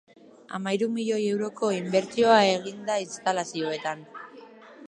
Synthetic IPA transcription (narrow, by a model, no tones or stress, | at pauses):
a̰majɾumiʎo̞je̞wɾo̞ko̞imbe̞ɾt͡sio̞ae̞ɣ̞ind̪ainst̪alasio̞e̞t̪an